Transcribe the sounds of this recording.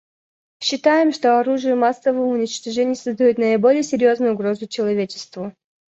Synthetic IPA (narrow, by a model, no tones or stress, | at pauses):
ɕːɪt̪ajɪmʂt̪o̞ɐɾuʐɨjəmasːəvəəʊnʲɪt͡ɕt̪ɐʐɛnʲɪjəsəzd̪ɐjut̪nəɪbo̞lʲɪjəsʲɪɾʲjo̞znʊjʊɡɾo̞zʊt͡ɕɪlˠɐvʲet͡ɕɪ̥st̪vʊ